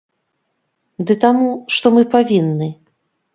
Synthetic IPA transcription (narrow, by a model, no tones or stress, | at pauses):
d̪ɨt̪amuʂt̪ɔmɨpavʲinːɨ